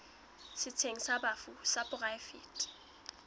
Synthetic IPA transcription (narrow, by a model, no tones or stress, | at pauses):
sɪt͡sʰeŋ̩sabafusapʼʊrajfḭːtʼ